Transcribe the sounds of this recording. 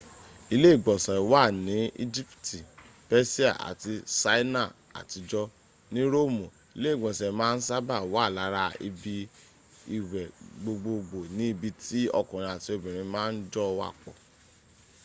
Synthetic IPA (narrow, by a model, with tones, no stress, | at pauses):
i˧le˦i˦˨ɡ͡bɔ˨sɛ˨wa˦˨nĩ˨˦ḭ˦d͡ʒi˦pti˨ | bɛ˦si˦a̰˨ʔa̰˨ti˧sa˧˦i˦na˦˨ | a̰˨ti˧d͡ʒɔ˦ | nĩ˦ɾo˦˨mũ˨ | i˨˧le˦i˦˨ɡ͡bɔ˨sɛ˨˦mãː˦n̩˦sa˦ba˦˨wa˦˨la˨˦ɾa˧ḭ˧bi˧ | i˨wɛ˨ɡ͡bo˧ɡ͡bo˧ɡ͡bo˨nĩ˨˦i˦˧bi˧ti˦ɔ̰˦˧˨kɔ̃˨ɾ̃ĩ˧˨a˨ti˧o˧˨bĩ˨ɾ̃ĩ˧mãː˦˧n̩˦d͡ʒɔ˦˧wa̰˦˨k͡pɔ˨